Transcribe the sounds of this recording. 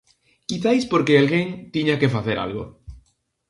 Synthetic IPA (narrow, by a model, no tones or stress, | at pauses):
kiθajspoɾkeelɣent̪iɲake̞faθe̞ɾʔa̰lɣo